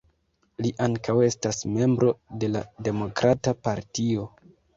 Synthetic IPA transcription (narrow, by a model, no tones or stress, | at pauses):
liʔaŋkawe̞stasme̞mbɾo̞de̞lade̞mo̞kɾʔatapaɾtio̞